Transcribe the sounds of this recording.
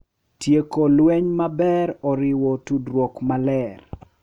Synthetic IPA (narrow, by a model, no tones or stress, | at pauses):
tjekolwɛɲmabɛɾɔɾɪwɔtudɾwɔkmalɛr